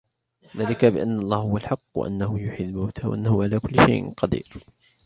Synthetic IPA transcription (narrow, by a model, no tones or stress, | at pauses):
ðaːlɪkabɪʔanːʔɑlˤːɑːhhʊwalħɑqːwa̰ʔa̰nːahʊjʊħɪd̪ːmawt̪ʰawa̰ʔanːahʊʕalaːkʊlːɪʃa̰jʔqɑd̪ḭːɾ